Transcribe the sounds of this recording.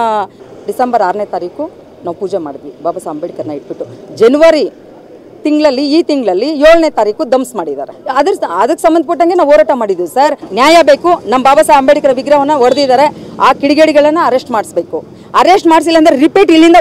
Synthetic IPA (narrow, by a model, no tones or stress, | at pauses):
ɖisembɐɾaːɾnet̪aːɾiːku | naːʋupuːd͡ʒema̰ːɽd̪ʋibaːbɐsaɐmbeːɽikɐɾɐnːɐiʈ̚biʈːud͡ʒenuʋɐɾi | t̪iŋɡɭɐlːiiːt̪iŋɡɭɐlːijoːɭneːt̪aːɾiːkud̪ɐmsmaːɽid̪a̰ːɾeɐd̪ɐɾɐd̪ɐkːesɐmbɐnd̪̚pɐʈːɐŋɡe̞naːʋoːɾaːʈɐmaːɽid̪usɐɾnjaːjɐbe̞ːkunɐmbaːbɐsaɐmbeɽikɐɾɐʋiɡɾɐʋɐnːɐʋɐɾd̪id̪aːɾe̞aːkiɽiɡeːɽiɡɐɭɐnːɐɐɾesʈmaːɖsbe̞ːku | ɐɾesʈmaːɖs̬ilːɐːnd̪ɐɾeɾipiːʈilːind̪ɐ